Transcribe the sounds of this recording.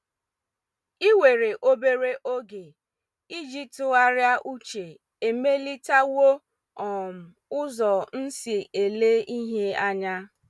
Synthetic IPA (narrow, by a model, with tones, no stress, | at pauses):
i˦we˨ɾe˨ʔo˦be˦ɾe˦ʔo˦ɡe˨ | i˦d͡ʒi˦tʊ˨ɣa˦ɾja˦ʔu˦t͡ʃe˨ | e˨me˦li˦ta˦wo˦ | ɔ˨m̩˨ʊ˦zɔ˨n̩˦si˨e˨le˦i˦ɦe˦a˦ɲa˦